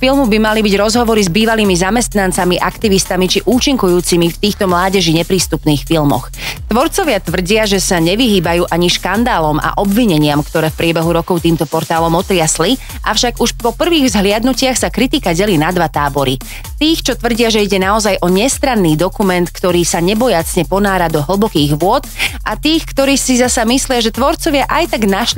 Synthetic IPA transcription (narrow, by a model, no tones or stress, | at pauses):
filmubimalibiɟɾɔzɦɔʋɔɾizbiːʋaliːmizamɛst̪nant͡samiʔakt̪iʋist̪amit͡ʃiʔuːt͡ʃiŋkujuːt͡simift̪iːxt̪ɔmlaːɟɛʒiɲɛpɾiːst̪upniːxfilmɔ̰x | t̪ʋɔɾt͡sɔʋɪat̪ʋr̩ɟɪaʒɛsaɲɛʋiɦiːbajuːʔaɲiʃkand̪aːlɔmʔa̰ʔɔbʋiɲɛɲɪamkt̪ɔɾɛːfpɾɪɛbɛɦuɾɔkɔʊt̪iːmt̪ɔpɔɾt̪aːlɔmɔt̪ɾɪasli | ʔafʃaɡuʃpɔpr̩ʋiːɣzɦlɪad̪nucɪaxsakɾit̪ikaɟɛliːnad̪ʋat̪aːbɔɾi | t̪iːxt͡ʃɔt̪ʋr̩ɟɪaʒɛiɟɛnaɔzajʔɔɲɛst̪ɾanːiːd̪ɔkumɛnt̪kt̪ɔɾiːsaɲɛbɔjat͡sɲɛpɔnaːɾad̪ɔɦl̩ˠbɔkiːɣʋʊɔt̪ʔat̪iːxkt̪ɔɾiːsizasamislɪaʒɛt̪ʋɔɾt͡sɔʋɪaʔajt̪aɡnaʃl